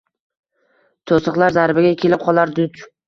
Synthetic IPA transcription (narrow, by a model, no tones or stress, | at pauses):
t̪ʰosɨqlˠaɾzaɾbɪɡʲakʲʰe̞lɪp̚qʰɒlˠaɾd̪ʊt͡ʃ